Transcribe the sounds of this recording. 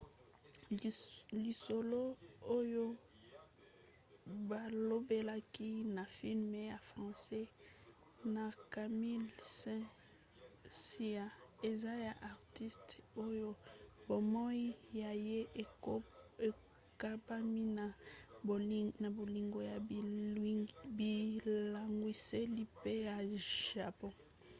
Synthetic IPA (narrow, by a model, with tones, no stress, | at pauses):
li˨so˨lo˦o˦jo˦ | ba˨lo˦be˦la˦ki˦na˨fi˦lme˨ja˨fʁɑ̃˨sɛ˦ | na˨ka˨mi˦lsɛ̃˦ | si˦a˦e˨za˦ja˨ʔa˨ʁti˦sto˦jo˦bo˨mɔ˦i˦ja˨je˦ | e˨ | ka˦ba˦mi˦na˨ | na˨bo˨li˨ŋɡo˨ja˨ | bi˨la˨ŋɡwi˨se˦li˦pe˦ja˨ʒa˨pɔ̃˦